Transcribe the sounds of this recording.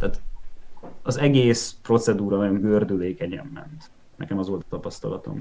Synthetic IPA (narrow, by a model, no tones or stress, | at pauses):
t̪æːt̪ | ɒzɛɡeːspro̞t̪sɛd̪uːɾɒmajoŋɡørd̪yleːkɛɲɛ̰mːɛ̰nt̪ | nɛ̰kɛmɒzʋo̞lt̪ɒ̥t̪ɒpɒst̪ɒlɒ̰t̪o̞̰m